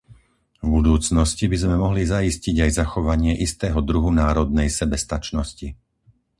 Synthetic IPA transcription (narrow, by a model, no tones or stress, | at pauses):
vbud̪uːt͡snɔscibizmɛmɔɦlizaisciɟajzaxɔʋaɲɪɛʔist̪ɛːɦɔd̪ɾuɦunaːɾɔd̪nɛjsɛbɛst̪at͡ʃnɔsci